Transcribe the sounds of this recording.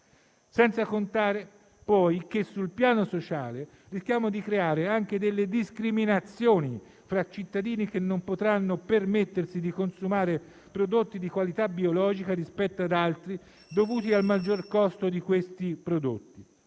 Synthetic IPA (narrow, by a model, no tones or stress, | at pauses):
sɛnt̪sakont̪aːɾe | pɔjkesːulpjaːnosot͡ʃaːle | risk̟ʲjaːmod̪ikɾeaːɾeaŋk̟ed̪elːed̪iskɾiminat̪sːjoːni | fɾat͡ʃːit̪ːad̪iːnik̟enːompot̪ɾanːopermet̪ːersid̪ikonsumaːɾe | pɾod̪ot̪ːid̪ikwalit̪abiolɔːd͡ʒikaɾispɛt̪ːoad̪alt̪ɾi | d̪ovuːt̪ialmad͡ʒːorkɔst̪od̪ikwest̪ipɾod̪o̰t̪ːi